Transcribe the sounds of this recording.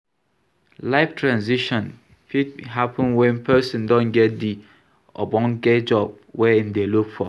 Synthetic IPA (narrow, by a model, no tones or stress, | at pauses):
laɪftʰɹãnziʃɔ̃n | fid̚ɦapʰə̃nwɛ̃npʰɛsĩndɔ̃nɡɛt̚di | ʔɔbɔ̃nɡɛd͡ʒɔb̚wɛĩmdelukfɔ